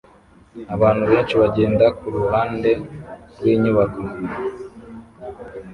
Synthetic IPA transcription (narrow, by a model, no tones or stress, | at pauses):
aβaːnhuβeːnʃeβaɟe̞ːndakuɾuhaːnde̞ɡɡwiːɲuβaɡoɡuɾi